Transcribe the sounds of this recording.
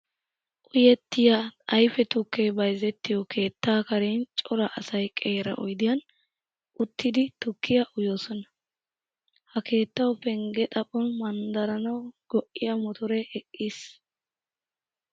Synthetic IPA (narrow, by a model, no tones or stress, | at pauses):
ʔʊjɛt̪ːɪjaɐjfɛt̪ʊkːeːbɐjzɛt̪ːɪjɔkʰe̞ːt̪ːaːkɐɾent͡ʃʼɔɾɐʔɐsɐjkʼeːɾɐ̰ʔɔjd̪ɪjɐn | ʔʊt̪ʰːɪd̪ɪt̪ʊkːɪjɐʔʊjoːsɔnɐ̥ | hɐke̞ːt̪ːɐwpɛŋɡɛt̪ʼɐpʼɔnmɐnd̪ɐɾɐnɐwɡ̥ɔʔːɪjɐmɔt̪ɔɾɛʔɛkʼːiːs